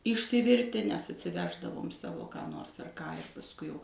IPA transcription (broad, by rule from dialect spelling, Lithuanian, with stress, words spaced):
ɪʃʲsʲɪˈʋʲɪrʲtʲɪ nʲɛs ɐtʲsʲɪˈʋʲæːʒdɐʋoːm ˈsɑːʋoː kɑː ˈnoːrs ɐr ˈkɑː ɪr pɐsˈkʊɪ jɛʊ